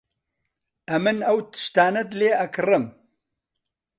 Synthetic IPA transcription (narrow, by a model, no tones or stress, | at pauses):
ɐmɨnɐwt̪ʰɨ̥ʃt̪aːnɐd̪leːʔɐkʰɨrɨm